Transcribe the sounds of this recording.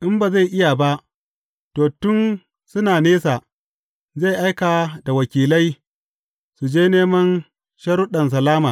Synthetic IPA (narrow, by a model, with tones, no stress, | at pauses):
ʔɪ˦mba˨za˦˨jʔɪ˦ja˨ba˦ʔ | toː˨tʊ˦n | sʊ˦naː˨neː˦sa˨ | za˦˨jʔa˦jkaː˨da˨wɐ˨kʲiː˨la˦j | su˨d͡ʒeː˦neː˦mɐ˦n | ʃɐ˦ɾʊ˦ɗɐ˨ns̬ɐ˨laː˦maː˨